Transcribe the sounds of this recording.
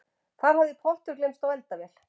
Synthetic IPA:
kaɾ̥ɦavðɪpʰɔl̥t̪ʏɾklejmst̪awɛlt̪avɛl̥

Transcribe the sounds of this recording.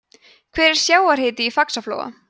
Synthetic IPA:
kʰv̥ɛːɾɛɾ̥sjaːwaɾ̥hɪːt̪ɪifaksaflo̰ːwɣa̰

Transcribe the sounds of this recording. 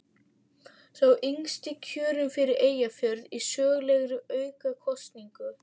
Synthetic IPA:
θawʔiŋst̪ɪcʰœːɾʏmfɪɾɪɾeːjafjœɾðisœːɣlɛɣɾʏœːɥkakʰɔst̪niŋkʏ

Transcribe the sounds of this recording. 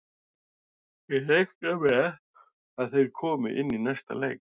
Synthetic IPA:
jɛlejxtavɛ | aðθejɾ̥kʰɔːmɪʔɪnːinajst̪a̰lḛːjk

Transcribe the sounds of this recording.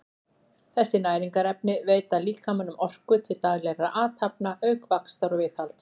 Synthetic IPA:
θɛsːɪnaːjɾiŋkaɾɛp̚nɪveːjt̪aliːkamanːʏmɔr̥kʏt̪ʰɪlt̪aɣlɛraʔaːt̪hap̚naʔœɥkvakst̪aɾɔvɪθalt̪

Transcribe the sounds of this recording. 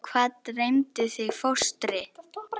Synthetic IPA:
kʰvaːt̪nrejmt̪ɪθɪɣfowst̪ɾɪ

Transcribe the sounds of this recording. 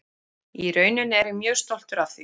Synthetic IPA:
iɾœːɥnʏnɛɾɪmjœːɣst̪ol̥t̪ʏɾavθi

